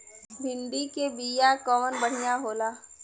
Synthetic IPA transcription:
bʱɪ̃nd̪ikebijakɔʋənbəɽ̤ijaɦoːlaː

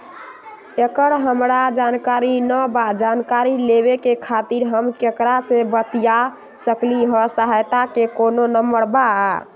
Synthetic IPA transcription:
ekəɾɦəmɾad͡ʒankaɾinəbad͡ʒankaɾileβekekʰat̪iɾɦəmkekɾasebət̪ija | səkliɦɔsəɦajt̪akekononəməɾbaa

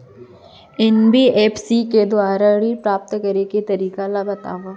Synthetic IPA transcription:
ɪnbʱieːpsiked̪ʊaːɾaɾipɾaːp̚t̪kɐɾeket̪ɐɾiːkalabɐt̪a̰ːʋaː

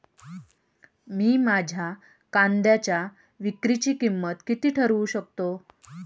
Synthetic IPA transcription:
miːmad͡ʑʱa | kand̪jat͡ɕja | ʋikɾit͡ɕiːkimːət̪kit̪iːʈʰəɾuɕək̚t̪o

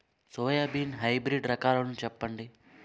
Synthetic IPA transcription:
soːjabinɦɐjbɾiɖɾɐkaːlɐnut͡ʃɛpːɐɳɖi

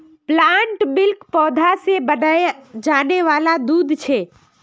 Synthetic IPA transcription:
plaɳʈbɪlkpɔːd̪ʱasebənajd͡ʒaːneʋalad̪uːd̪ʱt͡ʃʰe

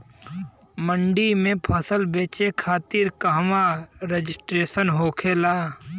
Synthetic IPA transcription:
məɳɖimẽpʰəsəlbeːt͡ʃekʰaːt̪ɪɾkaɦmaɾed͡ʒɪsʈɾeːsənɦoːkʰeːlaː

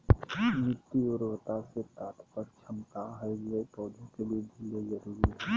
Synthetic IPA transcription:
mɪt̪ːiʊɾwt̪aset̪aːt̪ʰpəɾt͡ʃʰəmkaɦɛjd͡ʒepɔːd̪ʱəkeliebʱiled͡ʒəɾuːɾiɦɛ

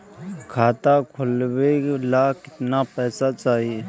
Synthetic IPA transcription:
kʰaːt̪akʰʊlwelakɪt̪napɛːsat͡ʃaːɦie

